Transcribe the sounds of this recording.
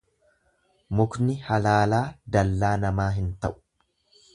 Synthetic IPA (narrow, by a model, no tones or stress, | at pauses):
mʊknɪhɐlaːlaːd̪ɐlːaːnɐmaːɦɪnt̪ɐʔʊ̥